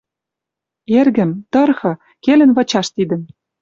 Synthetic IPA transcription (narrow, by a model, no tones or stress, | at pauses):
erɣɘ̆mt̪ɤ̆rxɤ̆ | kelɘ̆nvɤ̆t͡ɕɑʃt̪id̪ə̆m